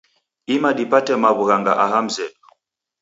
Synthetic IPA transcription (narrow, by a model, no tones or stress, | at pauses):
imaɗipatɛmaβuɣaŋɡa̰ʔaɦam̩zɛɗɔ